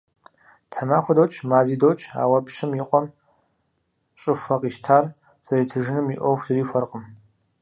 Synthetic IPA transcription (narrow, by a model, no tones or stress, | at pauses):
tʰamaːχʷɔdoːt͡ʃʰʼmaːziːdowt͡ʃʰʼa̰ːwɐpʃɨmjɪqʷʼɔm | ɕʼɨʂʷɐqʼiʃtʰaːr | z̥ɐɾiːtʰɨʒɨnɨmiʔʷɔwxʷz̥ɨriːfʷɐrqʼəm